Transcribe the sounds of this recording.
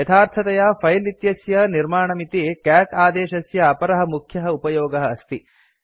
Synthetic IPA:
jɐt̪ʰaːɾt̪ʰɐt̪ɐjafʰɐjlit̪jɐsjɐniɾmaːɳɐmit̪ikaːkaːd̪eːʃɐsjɐːpɐɾɐɦɐmukʰjɐɦɐupɐjoːɡɐɦɐːst̪i

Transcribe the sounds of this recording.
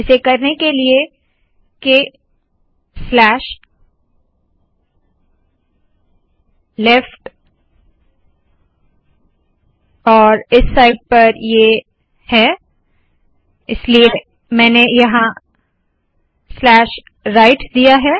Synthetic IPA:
ɪsekɐɾnekelie | ke | slɛːʃ | lɛfʈ | ɔːɾɪsːaːɪɖ̚pɐɾje | hɛː | ɪslie | mɛ̃ːnejɐɦã | slɛːʃ | ɾaɪʈd̪ijaɦɛː

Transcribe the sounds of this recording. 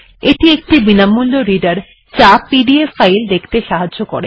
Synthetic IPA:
eʈiek̚ʈibinamulːoɾiɖaɾ | t͡ɕapiɖiefajld̪ekʰt̪eʃaɦad͡ʑokoɾe

